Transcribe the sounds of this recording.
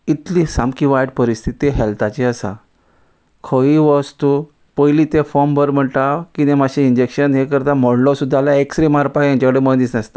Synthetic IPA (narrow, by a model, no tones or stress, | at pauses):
it̪lisãmkiʋajʈpəɾist̪ʰit̪iɦɛlt̪at͡ɕiəsa̰ | kʰəʋiʋəst̪u | pəjlit̪ẽfɔmbʱəɾm̤əɳʈakinemaɕiiɲd͡ʑekɕənɦekəɾt̪amɔɽlɔsud̪ʱːalaeksɾimaɾpajjãɲt͡ɕakəɽemənd̪iːsnəst̪ḁ